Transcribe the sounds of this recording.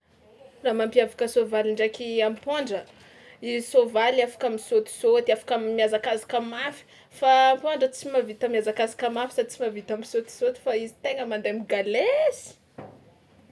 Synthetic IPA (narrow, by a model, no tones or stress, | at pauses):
ramampiavakəsovaliɳɖ͡ʐakiampoɳɖ͡ʐə | izisovalafḁkamisot̪i̥sot̪iafḁkamiazakazakamafi̥ | faːmpoɳɖ͡ʐət͡simavit̪əmiazakazakəmafi̥sat͡simavit̪amisot̪i̥sot̪i̥faizi̥t̪eŋəmand̪emiɡalesi̥